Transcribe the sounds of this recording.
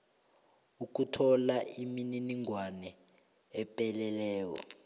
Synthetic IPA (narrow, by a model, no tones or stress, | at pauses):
uk̬utʰɔlaʔimininiŋwanɛ | ɛpʼɛlɛlɛːk̬ɔ̰